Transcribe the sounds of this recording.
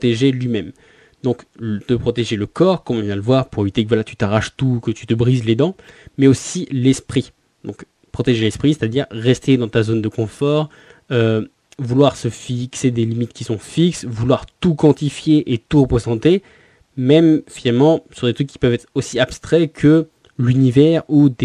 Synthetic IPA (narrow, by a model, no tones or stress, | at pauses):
ɔt̪eʒelɥimɛm | d̪ɔ̃kt̪əpχɔt̪eʒeləkɔʁkɔmɔ̃vjɛ̃d̪ləvwaʁpuʁevit̪ekəvwalat̪y̥t̪aʁaʃt̪ukət̪y̥t̪əbʁizled̪ɑ̃mɛosilɛspχi | d̪̥ɔ̰̃k | pχɔt̪eʒelɛspχise̥t̪ad̪iʁːɛst̪ed̪ɑ̃t̪azond̪əkɔ̃fɔʁ | ø | vulwaʁsəfiksed̪elimit̪kʲisɔ̃fiksvulwaʁt̪ukɑ̃t̪ifjeʔet̪uʁəpozɑ̃t̪e | mɛmfinalmɑ̃səsỹʁd̪et̪χykːʲi̥pœvɛt̪χosiapst̪χɛkʰə | lynivɛʁud̪e